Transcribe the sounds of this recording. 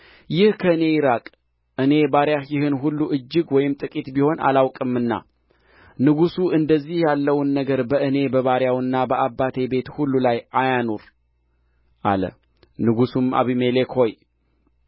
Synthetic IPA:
jɪhkʰəɨne̞jɪɾakʼ | ʔɨne̞baɾjajɪɦɨnɦulːuʔɨd͡ʒːɨɡwɔjɪmt̪ʼɨkʼit̪biho̞na̰lawkʼɨmːɨnːa̰ | nɨɡusuʔɨnd̪əzːihjalːəwnːəɡəɾbəʔɨne̞bəβaɾjawɨnːabəʔabːat̪ʰe̞be̞t̪hulːulajajanoɾ | ʔa̰lə̰ | nɨɡusuma̰βimelekho̞j

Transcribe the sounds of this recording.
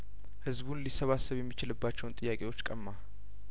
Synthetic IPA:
hɨzbunlisːəβasːəβjɛmːit͡ʃɪlɨbːat͡ʃːɛwʊnt̪ʼɨjːakʼewo̞t͡ʃːkʼəmːa

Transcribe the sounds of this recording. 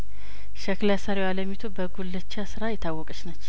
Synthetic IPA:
ʃəklasaɾiwaləmit̪ʰobəɡulːət͡ʃːasɨɾajɪt̪ʰːawːɔkʼət͡ʃnət͡ʃː

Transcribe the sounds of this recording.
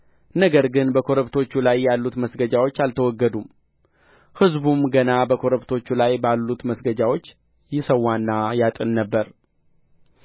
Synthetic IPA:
nəɡəɾɡɨnbəkʰo̞ɾəβt̪ʰo̞t͡ʃːulajːalːut̪məsɡəd͡ʒawo̞t͡ʃːalt̪ʰəwɔɡːəd̪um | hɨzbumɡənabəkʰo̞ɾəβt̪ʰo̞t͡ʃːulajbalːut̪məsɡəd͡ʒawo̞t͡ʃː | jɪsəwːanːajat̪ʼɨnːəbːəɾ

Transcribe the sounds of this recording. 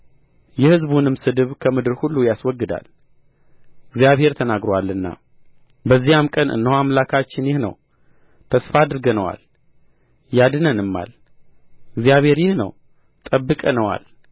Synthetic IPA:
jɛhɨzbunɨmsɨd̪ɨβkʰəmɨd̪ɨɾhulːujaswɔɡːɨd̪a̰l | ɨɡzijaβhe̞ɾt̪ʰənaɡɾowalːɨnːa̰ | bəzːijamkʼənɨ̰nːəwamlakʰat͡ʃːɪnjɪhnə̰w | t̪ʰəsfaːd̪ɾɡənəwa̰l | jad̪ɨnənɨmːa̰l | ɨɡzijaβhe̞ɾjɪhnə̰w | t̪ʼəbːɨkʼənəwa̰l

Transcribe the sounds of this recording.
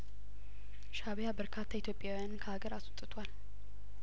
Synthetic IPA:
ʃaβjabəɾkʰat̪ʰːait̪jo̞pʼjawjankʰəhaɡəɾaswut̪ʼːɨt̪ʰwal

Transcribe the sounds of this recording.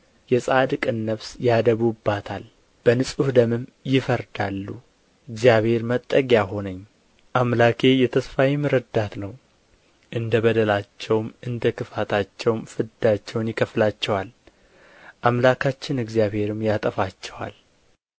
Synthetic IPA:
jɛsʼad̪ɨkʼɨnːəβsjad̪əβubːat̪ʰal | b̥ənɨsʼuhd̪əmɨmjɪfəɾd̪alːu | ɨɡzijaβhe̞ɾmət̪ʼːəɡjaɦo̞nəɲː | ʔamlakʰe̞jɛt̪ʰəsfajimɨɾəd̪at̪nəw | ʔɨnd̪əβəd̪əlat͡ʃːɛwmɨnd̪əkʰɨfat̪ʰat͡ʃːɛwmfɨd̪at͡ʃːɛwnjɪkʰəflat͡ʃːɛwal | ʔamlakʰat͡ʃːɪnɨɡzjaβhe̞ɾɨmjat̪ʼəfat͡ʃːɛwa̰l

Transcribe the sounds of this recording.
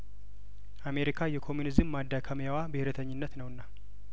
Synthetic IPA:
ʔame̞ɾikʰajɛkʰo̞munizɨmːad̪ːakʰəmjawabɨhɪɾət̪ʰəɲːɪnːət̪nəwɨnːa

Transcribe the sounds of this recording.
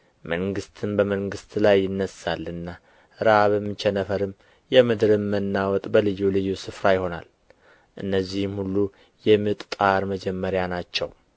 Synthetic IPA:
məŋɡɨst̪ʰɨnbəməŋɡɨst̪ʰlajːɪnːəsːalːɨnːa | ɾaβəmːɨt͡ʃʰɛnəfəɾɨm | jɛmɨd̪ɾɨmːənːawɔt̪ʼbəlɨjːulɨjːusɨfɾajɪho̞na̰l | ʔɨnːəzːihmhulːu | jɛmːɨt̪ʼt̪ʼaɾməd͡ʒɛmːəɾjanat͡ʃːɛw

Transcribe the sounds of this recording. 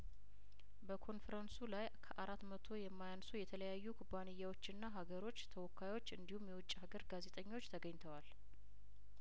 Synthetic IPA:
bəkʰo̞nfɾənsulajkʰəʔaɾat̪mət̪ʰo̞jɛmːajansujɛt̪ʰələjajːukʰubːanɨjːawot͡ʃːɪnːaɦaɡəɾo̞t͡ʃːt̪ʰəwɔkʰːajwot͡ʃːɨnd̪ihumjɛwɔt͡ʃʼːhaɡəɾɡaze̞t̪ʼəɲːo̞t͡ʃːt̪ʰəɡəɲt̪ʰəwal

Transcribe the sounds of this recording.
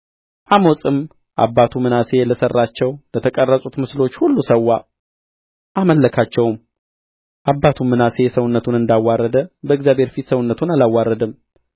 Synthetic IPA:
ʔamosʼɨm | ʔa̰bːat̪ʰumɨnase̞ləsərːat͡ʃːɛwlət̪ʰəkʼərːəsʼut̪mɨslo̞t͡ʃːhulːusəwːa | ʔaməlːəkʰat͡ʃːɛwm | ʔabːat̪ʰumːɨnase̞səwnːət̪ʰunɨnd̪awːarːəd̪əbəɨɡzjabhe̞ɾfit̪səwʊnːət̪ʰunalawːarːəd̪ɨm

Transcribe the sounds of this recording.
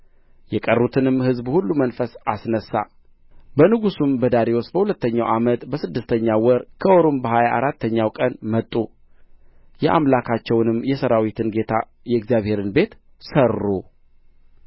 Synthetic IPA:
jɛkʼərːut̪ʰɨnɨmhɨzbhulːumənfəsasnəsːa̰ | bənɨɡusumbəd̪aɾewosbəhulət̪ːəɲːawʔamət̪bəsɨd̪ːɨst̪ʰəɲːawɔɾkʰəoɾombəhajaʔaɾat̪ːəɲːawkʼənmət̪ʼːu | jɛʔa̰mlakʰat͡ʃːɛwnɨmːjɛsəɾawit̪ʰɨnɡe̞t̪ʰa̰ | jɛɨɡzjaβhe̞ɾɨnbe̞t̪ | sərːu

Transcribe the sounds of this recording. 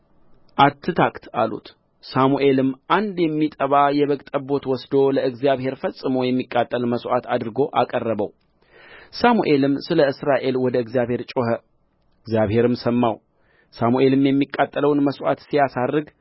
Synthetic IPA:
ʔat̪ʰːɨt̪ʰakt̪ʰa̰lṵt̪ | samuʔe̞lɨmːʔand̪jɛmːit̪ʼəβajɛβəkt̪ʼəbo̞t̪wɔsd̪o̞ləɨɡzjaβhe̞ɾfəsʼːɨməjɛmːikʼːat̪ʼːəlməsʔat̪ʰad̪ɨɾɨɡo̞ʔakʼərːəβəw | samuʔe̞lɨmsɨləɨsɾaʔe̞lwɔd̪əɨɡzjaβhe̞ɾt͡ʃʼohə | ɨɡzjaβhe̞ɾɨmsəmːaw | samuʔe̞lɨmjɛmːikʼːat̪ʼːələwnməsʔa̰t̪sijasarːɨɡ

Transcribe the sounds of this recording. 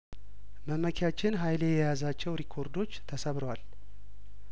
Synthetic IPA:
məməkʰjat͡ʃːɪnɦajlejɛjazat͡ʃːɛwɾikʰo̞ɾd̪o̞t͡ʃːt̪ʰəsəβɾwal

